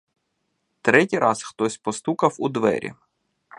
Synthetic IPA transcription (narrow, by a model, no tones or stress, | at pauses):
t̪ɾɛtʲijɾʔɑsxt̪ɔsʲpɔst̪ukɐwud̪ʋɛ̰ɾʲḭ